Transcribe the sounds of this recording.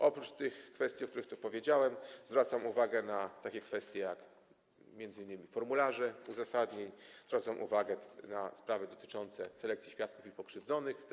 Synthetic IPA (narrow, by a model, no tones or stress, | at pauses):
ʔɔpɾut͡ʂt̪ɘxkfɛst̪ʲjiɔkt̪uɾɘxt̪upɔvʲjed͡ʑawɛmzvɾat̪samuvaɡɛnat̪akʲɛkfɛst̪ʲjɛjak | mʲjɛnd̪zɘinːɘmʲifɔɾmulaʐɛuzasad̪ɲeɲzvɾat̪samʔṵvaɡɛna̰spɾavɛd̪ɔt̪ɘ̥t͡ʂɔnt̪sɛ̰sɛlɛkt̪sʲiɕfʲjat̪̚kufipɔkʂɘvd̪zɔnɘx